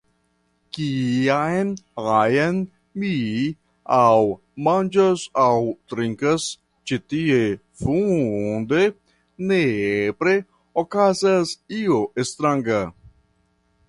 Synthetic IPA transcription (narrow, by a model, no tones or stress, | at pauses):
kiajnajan | mi | aw | mand͡ʒasawt̪ɾiŋkas | t͡ʃitie | fund̪e | nepɾe | okazasioʔest̪ɾaŋɡa